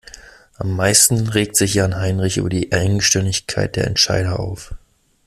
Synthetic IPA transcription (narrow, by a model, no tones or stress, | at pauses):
ʔamːaɪstn̩ʁeːk̚tz̥ɪçjaːnɦaɪnʁɪçʔy̰ːbɐdiːʔaɪɡŋ̩ʃtɛndɪçkʰa̰ɪt̚d̥eːɐɛ̰ntʃa̰ɪɾɐʔa̰ʊf